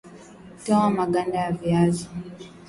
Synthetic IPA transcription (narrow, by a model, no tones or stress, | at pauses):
tɔwamaɡandajaviazi